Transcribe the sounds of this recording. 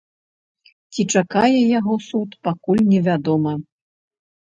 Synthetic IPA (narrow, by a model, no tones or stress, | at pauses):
t͡sʲit͡ʂakajɛjaɣɔsut̪pakulʲnʲɛvʲad̪ɔmɐ